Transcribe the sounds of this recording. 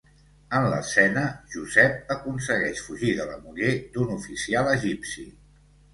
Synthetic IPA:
ənlə̰sɛnəʒuzɛp̚əkunsəɣɛʃfuʒiðələ̰muɣed̪unufisialˠəʒipsḭ

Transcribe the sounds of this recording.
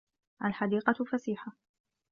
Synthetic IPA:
ʔalħad̪iːqɑt̪fasiːħa

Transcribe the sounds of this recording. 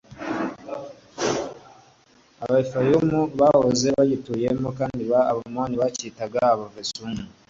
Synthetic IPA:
aβaifajumuβahoze̞βaɟituje̞mokaːndiβaːβamwaːniβacitaɡaaβavesumu

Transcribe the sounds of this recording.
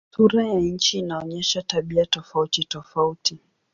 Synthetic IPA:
suɾajaɲ̩t͡ʃiːnaɔɲɛʃataɓiatɔfautitɔfauti

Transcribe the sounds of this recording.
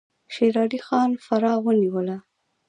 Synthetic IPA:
ʃeɾɑɾixɑnfaɾɑwəniwəla

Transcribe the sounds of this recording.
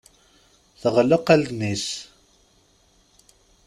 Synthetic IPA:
θəʁləqæld̪nis

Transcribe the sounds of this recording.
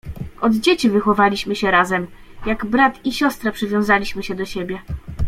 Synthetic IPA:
ʔɔd̪d͡ʑet͡ɕivɘxɔvalʲiɕmɘɕɛɾazɛm | jaɡbɾat̪iɕɔst̪ɾapʂɘvʲjɔ̃w̃zalʲiɕmɘɕɛd̪ɔɕebʲjɛ

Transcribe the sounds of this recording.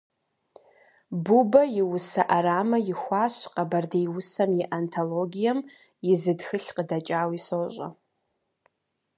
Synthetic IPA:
bubɐjɪwʊsɐʔaɾaːmɐjɪxʷaːɕqɐbɐrdejwʊsɐmjiʔantʰoloɡʲijɐm | jɪzɨdxɨɬqədɐt͡ʃʼaːwisoːɕʷʼɐ̰

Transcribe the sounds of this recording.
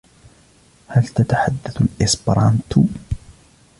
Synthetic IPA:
halt̪at̪aħad̪ːaθalʔɪsbɾˤɑːnt̪

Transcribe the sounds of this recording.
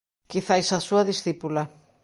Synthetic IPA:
kiθajsasuɐðisθipula

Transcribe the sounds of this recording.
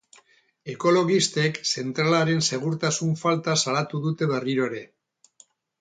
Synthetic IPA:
e̞ko̞lo̞ɣist̪e̞kse̞nt̪ɾalaɾe̞nse̞ɣ̞uɾt̪asuɱfalt̪asalat̪uðut̪e̞βe̞riɾo̞eɾe̞

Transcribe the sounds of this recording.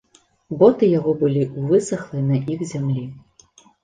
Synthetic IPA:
bɔt̪ɨjaɣɔbɨlʲiʔuvɨsɐxlˠɨnɐʔixzʲamlʲi

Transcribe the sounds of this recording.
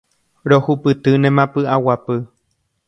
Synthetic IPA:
ɾohupɨt̪ɨnẽmãpɨʔawapɨ

